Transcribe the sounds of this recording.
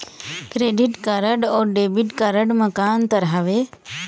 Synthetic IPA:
kɾeːɖɪʈkəɾəɖɔːɾɖeːbɪʈkəɾəɖmɐkaːnt̪ɐɾɦaʋe

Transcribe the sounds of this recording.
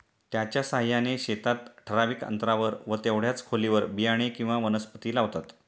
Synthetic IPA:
t̪jat͡ɕjasaɦjaneɕet̪at̪ʈʰəɾaʋikə̰nt̪ɾaʋəɾʋət̪eʋɽjat͡skʰoliʋəɾbijaɽ̃ekĩw̃ʋaʋənəspət̪iːlaʋt̪at̪

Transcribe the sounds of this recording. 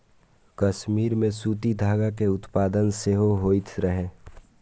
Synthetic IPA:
kɐʃmiːɾmẽsuːt̪id̪ʱaːɡakeʊt̪paːd̪ənseɦoɦoːit̪ʰɾəɦẽː

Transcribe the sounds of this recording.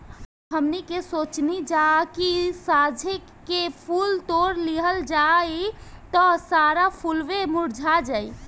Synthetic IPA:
ɦəmnikesot͡ʃnid͡ʒakisad͡ʒʱe | kepʰult̪oɾliɦəld͡ʒajt̪ɔsaɾapʰulʋemuɾd͡ʒʱad͡ʒai

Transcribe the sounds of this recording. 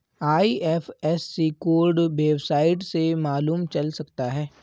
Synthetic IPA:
aːiɛfɛsːikoːɾɖʋeːbsaːɪʈsemaːluːmt͡ʃɐlsɐkt̪aɦɛː

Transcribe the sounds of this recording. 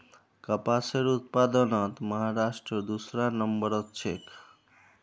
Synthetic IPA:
kəpaseɾut̪̚pad̪ənʌt̪məɦaɾasʈɾəd̪usɾanʌmbʌɾʌk̚t͡ʃʰek

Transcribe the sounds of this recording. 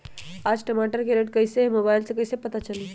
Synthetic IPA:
ad͡ʒʈəmaʈəɾkeɾeʈkəjsemobajlsekəjsepət̪at͡ʃəli

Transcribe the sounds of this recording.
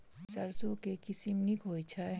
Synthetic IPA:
sɐɾsokekɪsimnikɦoːjt͡ʃʰa

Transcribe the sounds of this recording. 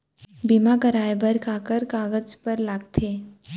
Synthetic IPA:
bimakəɾaːjbəɾkaːkəɾkaːɡəd͡ʒpəɾlaːɡt̪ʰeː

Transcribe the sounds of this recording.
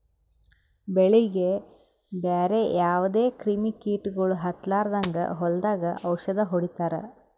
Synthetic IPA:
beɭiɡe | beːɾejaːʋud̪e̞ːkɾimikiːʈuɡɐɭuɦɐt̪laːɾd̪ɐŋɡɐ̰ɦɔld̪aːɡɐʔɐwʃɐd̪ɐɦoɽit̪aːɾḛ

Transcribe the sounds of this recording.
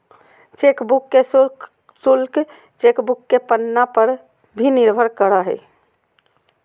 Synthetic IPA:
t͡ʃekbukːes | sulk | t͡ʃekbukːepənːapəɾ | bʱiniɾbʱəɾkəɾəɦɛ̰j

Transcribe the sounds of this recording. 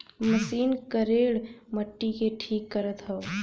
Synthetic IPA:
məsiːnkəɾeːɽməʈːikeʈʰiːkːəɾət̪ɦəo

